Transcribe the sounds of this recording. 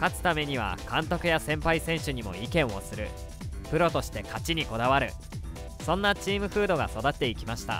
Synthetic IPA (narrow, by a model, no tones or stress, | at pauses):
kat͡sɨ̥t̪ame̞ɲ̟iβ̞a̰kãnt̪o̞kɯ̟jasẽ̞mpaisẽ̞ɰ̃ɕɨɲ̟imo̞̰ikẽ̞ɰ̃o̞̰sɨɾɯ̟̰ | pɯ̟ɾo̞t̪o̞ɕi̥t̪e̞kat͡ɕiɲ̟iko̞d̪aβaɾɯ̟ | sõ̞nːat͡ɕiːmɯ̟ɸɯ̟ːd̪o̞ɡaso̞d̪at̪ːe̞ikʲimaɕi̥t̪a̰